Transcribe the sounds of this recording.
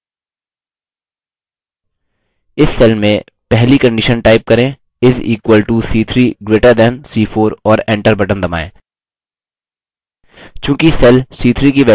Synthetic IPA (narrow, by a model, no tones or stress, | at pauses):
ɪsːɛlmẽ | pɛɦlikɐ̃ɳɖɪʃənʈaːɪp̚kɐɾẽː | ɪziːkwəlʈusiːt̪ʰɾiːɡɾeːʈəɾd̪ɛnsiːfʰoːɾɔːɾɛ̃ːɳʈəɾbɐʈə̃nd̪ɐma̰ːḛ̃ː | t͡ʃjũːkisɛlsiːt̪ʰɾiːkiʋɛ